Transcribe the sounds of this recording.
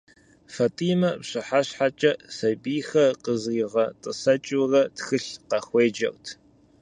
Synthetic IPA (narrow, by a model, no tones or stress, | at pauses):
fɐtʼiːmɐpɕʼɨħaɕħat͡ʃʼɐsɐbiːxɐqəziːʁɐtʼɨsɐt͡ʃʼurɐtxɨɬqɐxʷeːd͡ʒɐ̰wtʰ